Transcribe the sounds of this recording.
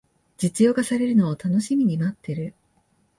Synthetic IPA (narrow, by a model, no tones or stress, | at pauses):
d͡ʑit͡sɨjo̞ːkasaɾe̞ɾɯ̟no̞ːt̪ano̞ɕimʲiɲ̟imat̪ːe̞ɾɯ̟